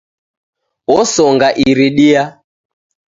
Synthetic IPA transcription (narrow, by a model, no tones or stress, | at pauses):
ɔsɔŋɡaʔiɾiɗia